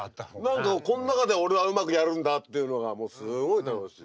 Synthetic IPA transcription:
nãŋkakõ̞nonakad̪e̞o̞ɾe̞βaɯmakɯ̟jaɾɯ̟̃nd̪at̪ːe̞jɯ̟no̞ɡamo̞ːsɨɡo̞it̪anoɕḭ

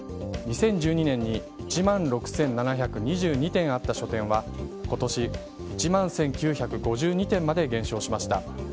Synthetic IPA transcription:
ɲisẽ̞ɲ̟d͡ʑɨːɲinẽ̞ɲ̟ːi | it͡ɕimãnɾo̞kɯ̟̥sẽ̞nnanaçakɯ̟ɲ̟iʑɨːɲ̟it̪ẽ̞ɰ̃at̪ːaɕo̞t̪ẽ̞ɰ̃βako̞t̪o̞ɕi | it͡ɕimãɰ̃sẽ̞ŋkʲɨːçakɯ̟ɡo̞ʑɨːɲ̟it̪ẽ̞mːad̪e̞ɡẽ̞ɕo̞ːɕimaɕi̥t̪a

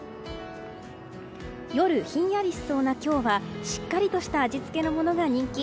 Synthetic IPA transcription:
jo̞ɾɯ̟çĩɰ̃jaɾʲiɕso̞ːnakʲo̞ːβaɕi̥kːaɾʲit̪o̞ɕi̥t̪aːd͡ʑit͡sɨ̥ke̞no̞mo̞no̞ɡaɲ̟ĩŋkʲi

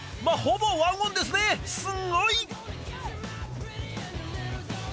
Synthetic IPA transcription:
mahobowaŋɡõnd̪es̬ɨnesɨŋoi

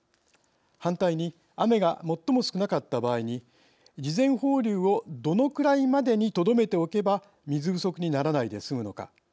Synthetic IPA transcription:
hãnt̪aiɲ̟i | ame̞ɡamo̞t̪ːo̞mo̞sɨ̥kɯ̟nakat̪ːabaːiɲ̟i | d͡ʑizẽ̞ɰ̃ho̞ːɾʲɯːo̞d̪o̞no̞kɯ̟ɾaimad̪e̞ɲ̟it̪o̞d̪o̞me̞t̪e̞o̞ke̞ba | mʲizɨbɯ̟so̞kɯ̟ɲ̟inaɾanaid̪e̞sɨmɯ̟no̞ka̰

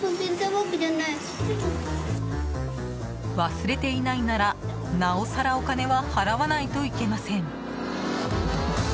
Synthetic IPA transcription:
ozent̪amokid̪anːa | βasɨɾe̞t̪e̞inainaɾa | nao̞saɾao̞kane̞βahaɾaβanait̪o̞ike̞masẽ̞ɴ

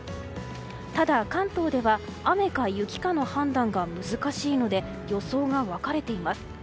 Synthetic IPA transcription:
t̪ad̪akãnt̪o̞ːd̪e̞βaame̞kajɯ̟kʲi̥kano̞hãnd̪ãŋɡamɯ̟zɨkaɕiːno̞d̪e̞ | jo̞so̞ːɡaβakaɾe̞t̪e̞imasɨ̥

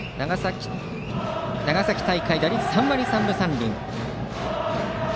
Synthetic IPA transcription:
naɡasakʲi̥t̪aikaid̪aɾʲisãmːaɾʲisãmbɯ̟sãmbʲḭ̃ŋ

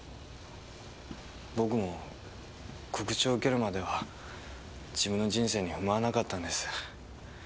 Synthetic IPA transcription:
bo̞k̬ɯ̟mo̞ | kʰo̞kɯ̟̥t͡ɕioːɯ̟ke̞ɾɯ̟mad̪e̞β̞a | d͡ʑibɯ̟̃nːo̞d͡ʑĩɰ̃se̞ːɲ̟iɸɯ̟maanakat̪ːãnd̪e̞sɨ̥

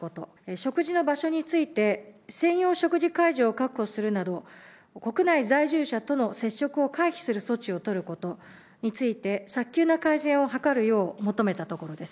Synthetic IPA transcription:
ko̞t̪o̞̰ɕo̞kɯ̟ʑino̞baɕo̞ɲ̟it͡sɨit̪e̞sẽ̞ɰ̃jo̞ːɕo̞kɯ̟ʑikaiʑo̞ːkakɯ̟o̞sɨɾɯ̟nad̪o̞ | ko̞kɯ̟naizaiʑɨːɕat̪o̞no̞se̞ɕːo̞kɯ̟o̞kaiçi̥sɨɾɯ̟so̞t͡ɕio̞t̪o̞ɾɯ̟ko̞t̪o̞ | ɲ̟it͡sɨit̪e̞sakʲːɨːnakaizẽ̞ɰ̃o̞ɦakaɾɯ̟jo̞ːmo̞t̪o̞me̞t̪at̪o̞ko̞ɾo̞d̪e̞sɨ̥

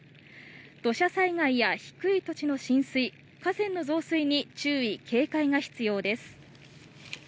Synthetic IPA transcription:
d̪̥o̞ɕasaiŋaijaçi̥kɯ̟it̪o̞t͡ɕino̞ɕĩɰ̃sɨi | kazẽ̞nːo̞zo̞ːsɨiɲ̟it͡ɕɨːikʰe̞ːkaiŋaçi̥t͡sɨjo̞ːd̪e̞sɨ̥

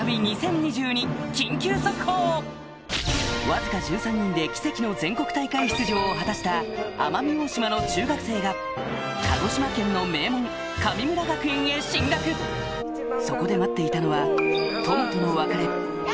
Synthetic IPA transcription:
bʲiɲ̟isẽ̞ɲ̟ɲiʑɨːɲ̟ikʲĩŋkʲɨːsokɯ̟̥hoː | βazɨkaʑɨːsãɲ̟ːĩnd̪e̞kʲi̥se̞kʲino̞zẽ̞ŋko̞kɯ̟̥t̪aikaiçi̥t͡sɨʑo̞ːɦat̪aɕi̥t̪aa̰mamʲioɕimano̞t͡ɕɨːɡakɯ̟se̞ːɡa | kʰaɡo̞ɕimakẽ̞nːo̞me̞ːmõ̞ŋ | kamʲimɯ̟ɾaɡakɯ̟ẽɰ̃eɕĩŋɡakɯ̟ | so̞ko̞d̪e̞mat̪ːe̞it̪ano̞βat̪o̞mot̪ono̞βakaɾe̞

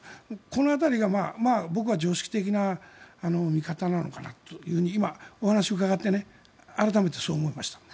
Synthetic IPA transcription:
moko̞no̞at̪aɾʲiɡamaːmaːbo̞k̬ɯ̟βad͡ʑo̞ːɕi̥kʲi̥t̪e̞k̬ʲinaːno̞mʲikat̪anano̞̰kana̰t̪ojɯ̟ːhɯ̟ɲ̟iːmao̞hanaɕioɯ̟kaɡat̪ːe̞ne | aɾat̪ame̞t̪e̞so̞ːmo̞emaɕi̥t̪ḁ

